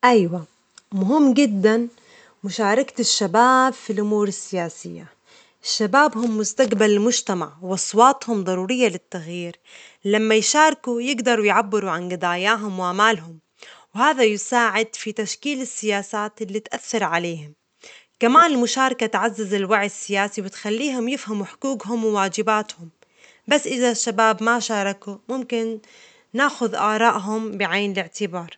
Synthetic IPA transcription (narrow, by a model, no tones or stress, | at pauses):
ʔajwa | mʊɦɪmːɡɪd̪ːan | mʊʃaːɾˤɑkt̪ɪʃːabaːbfilʔʊmuːɾɪsːɪjaːsɪjːa̰ | ɪʃːabaːbhʊmːʊst̪aqbalɪlmʊʒt̪ama̰ʕwʔɑsˤwɑːt̪ˤhʊmd̪ˤɑɾˤuːɾɪjːalɪt̪ːaɣjiːɾ | lamːajʃaːɾˤkujɪɡd̪ɑɾˤujʕabːɪɾuʕanɡɪd̪aːjaːɦʊmwʔamaːlɦʊm | whaːðajɪsaːʕɪd̪fit̪aʃkiːlɪsːɪjaːsaːt̪ʔɪlːit̪ʔaθːɑɾˤʕaleːhʊm | kamaːnɪlmʊʃaːɾˤɑkat̪ʕazːazɪlwaʕjɪsːɪjaːsiwɪt̪xalːiːɦʊmjɪfhamuħʊ̥kuːɡɦʊmwwaːd͡ʒɪbaːt̪hʊm | basːʔɪðaʃːabaːbmaʃɑːɾˤɑkumʊmkɪnː | aːxʊðʔa̰ːɾˤɑːʔɦʊmbɪʕaːnɪlɪʕt̪ɪbɑːɾˤ